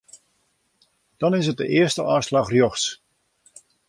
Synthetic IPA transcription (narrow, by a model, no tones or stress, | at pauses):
d̥ɔnɪs̬ət̚dəʔɪəstəʔaːslɑxrjoxs